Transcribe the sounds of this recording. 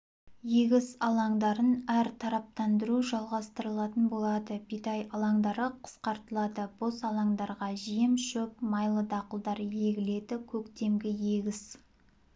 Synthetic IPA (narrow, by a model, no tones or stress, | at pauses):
je̞ɡʲɪsɑlˠɑŋd̪ɑɾənæɾt̪ʰɑɾɑp̚t̪ɑnd̪əɾuʒɑlˠʁɑst̪əɾəlˠɑt̪ənbo̞lˠɑd̪əbit̪ɑjɑlˠɑŋd̪ɑɾəqʰə̥sqɑɾt̪əlˠɑd̪əb̥osɑlˠɑŋd̪ɑɾʁɑʒijɪmʃɵpmɑjlˠəd̪ɑqəlˠd̪ɑɾje̞ɡʲɪle̞d̪ɪkʲʰɵkt̪e̞mɡʲɪje̞ɡʲɪs